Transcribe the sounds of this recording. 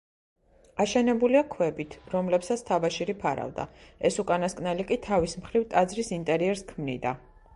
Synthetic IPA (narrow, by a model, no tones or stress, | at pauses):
aʃɛnɛbuliakʰwɛbit̪ʰɾɔmlɛpsat̪sʰt̪ʰabaʃiɾipʰaɾa̰vd̪a̰ɛsukʼanaskʼnɛlikʼit̪ʰavismχɾivt̪ʼad̪zɾisint̪ʼɛɾiɛɾskʰmnḭd̪a